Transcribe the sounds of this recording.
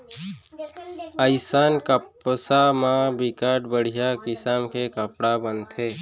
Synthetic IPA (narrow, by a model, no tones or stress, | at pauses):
əɪsaːnkəpsamãbɪkaːʈbəɽ̤ijakɪsaːmkekəpɽabənt̪ʰeː